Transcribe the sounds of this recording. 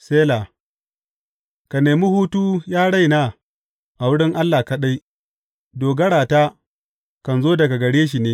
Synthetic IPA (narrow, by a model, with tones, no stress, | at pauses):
seː˦la˨ | ka˨neː˨mi˦huː˦tuː˦jaː˦ɽa˦jnaː˦ | ʔa˨wʊ˦ɽɪ˦ŋʔa˦lːaː˨kɐ˨ɗa˦j | doː˨ɡɐ˦ɽaː˨taː˦ | kɐ˨nzoː˦dɐ˨ɡa˨ɡɐ˨ɽeː˦ʃ̬i˨neː˦